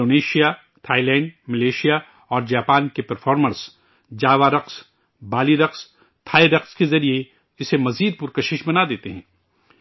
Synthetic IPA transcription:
oːneːʃija | t̪ʰaːilɛ̃ːɳɖmɐleːʃija | ɔːɾd͡ʒaːpaːnkepɐɾfʰɔːɾməɾs | d͡ʒaːʋaɾɐqs | baːliɾɐqs | t̪ʰaːiɾɐqskezɐɾie | ɪsemɐziːd̪̚pʊɾkɐʃɪʃbɐnad̪eːt̪eɦɛ̃ː

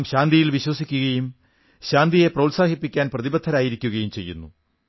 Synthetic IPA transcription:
mɕaːnd̪ʱijilʋiɕwɐsikʲːuɣɐjum | ɕaːnd̪ije̞prɐwlsaːɦipːikʲːaːnprɐðibɐt̪ʰːɐɾaːjiɾikʲːuɣɐjumt͡ɕe̞̰jːṵnːṵ

